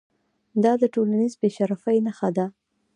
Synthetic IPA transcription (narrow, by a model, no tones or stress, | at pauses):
d̪ɑd̪əʈolanizbeʃaɾafajnaxad̪a